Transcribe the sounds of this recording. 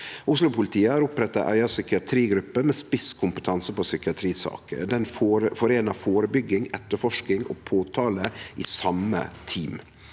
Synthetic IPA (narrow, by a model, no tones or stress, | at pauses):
ʔʊslʊpʰʊlɪt̪ʰiːəæːɾʊpɾɛt̪ːɑ̰ʔæ̰ɪɑsʏkɪɑt̪ʰɾiːɡɾʉpːəmɛːspɪskʰʊmpə̥t̪ʰɑnsəpɔsʏkɪɑt̪ʰɾiːsɑ̰ːkə̰d̪ɛnfoːɾfɔɾeːnɑfoːɾəbʏɡːɪŋɛt̪ːəfɔʂkɪŋo̰ːpʰoːt̪ʰɑːləʔḭːsɑmə̰t̪ʰiːm